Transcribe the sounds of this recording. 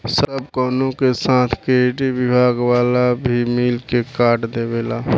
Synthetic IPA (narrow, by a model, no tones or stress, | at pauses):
səb̚kɔːnõkesãːt̪ʰkeɖiʋɪbʱaːɡwaːlabʱimɪlkekaːʈd̪eːbeːlaː